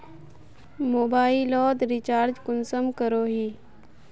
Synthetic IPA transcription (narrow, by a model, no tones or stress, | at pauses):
moːbaːilɔːd̪ɾit͡ʃaːɾd͡ʒkʊnsəmkəɾoːɦiː